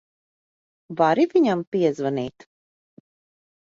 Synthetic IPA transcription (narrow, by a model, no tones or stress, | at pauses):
vaɾiviɲampiɛzvaniːt̪